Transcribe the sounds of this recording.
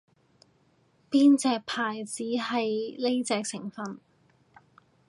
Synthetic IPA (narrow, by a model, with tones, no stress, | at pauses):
piː˥nt͡sɛː˧k̚pʰaː˨˩jt͡siː˨˥hɐ˨jle˥jt͡sɛː˧k̚sɪ˨˩ŋfɐ˨n